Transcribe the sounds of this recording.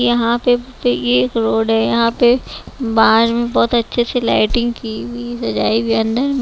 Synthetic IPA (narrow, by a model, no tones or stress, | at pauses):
jɐɦãpepjekɾoːɖɦɛjɐɦãpebaːɾmẽbɔːt̪ɐtːʃʰesela̰ːɪʈɪ̃ŋɡkibisɐd͡ʒaːibʱiɐ̃nd̪əɾm